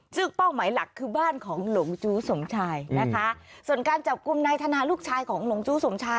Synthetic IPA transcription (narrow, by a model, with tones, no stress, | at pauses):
sɯ˥˩ŋpa˥˩wmaː˩˦jla˨˩kʰːɯː˧baː˥˩nkʰɔː˩˦ŋlo˨˩˦ŋt͡ɕuː˦˥so˩˦mt͡ɕʰaː˧jna˦˥kʰa˦˥su˨˩ənkaː˧nt͡ɕa˨˩p̚ku˧mna˧jt̪ʰa˧naː˧luː˥˩k̚t͡ɕʰaː˧jkʰɔː˩˦ŋlo˨˩˦ŋt͡ɕuː˦˥so˩˦mt͡ɕʰaː˧